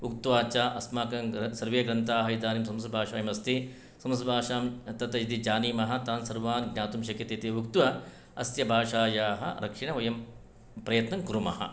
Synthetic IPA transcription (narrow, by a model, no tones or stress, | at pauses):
ukt̪ʋaːt͡ʃaːʔɐsmaːkɐŋsɐɾʋeːɡɾɐnt̪aːɦɐid̪aːnimsɐmsɾbʱaːʃaːjɐmɐst̪i | sɐmsubʱaːʃaːmt̪ɐt̪ɐjd̪id͡ʒaːniːmɐɦɐ̆t̪aːnsɐɾʋaːnɡnʲaːt̪umʃɐkjɐt̪et̪iukt̪ʋɐ | ɐsjɐbʱaːʃaːjaːɦɐ̰̆ɾɐkʂiɳ̃ɐʋɐjɐm | pɾɐjɐt̪nɐŋkuɾumɐɦɐ̰